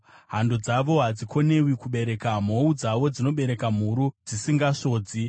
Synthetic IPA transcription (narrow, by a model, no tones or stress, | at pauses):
ɦandod͡zaʋo̞ɦad͡zikʰo̞ne̞wikuɓe̞ɾe̞kam̤o̞ud͡zaʋo̞d͡zino̞ɓe̞ɾe̞kam̤uɾud͡zisiŋɡaʂo̞ːd͡zi